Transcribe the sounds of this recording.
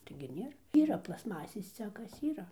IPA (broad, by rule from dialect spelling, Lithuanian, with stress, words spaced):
tɐɪɡʲɪ ˈnʲeːr ˈiːrɐ plˠɐsˈmɑːsʲeːs ˈt͡sʲæːkɐs ˈiːrɐ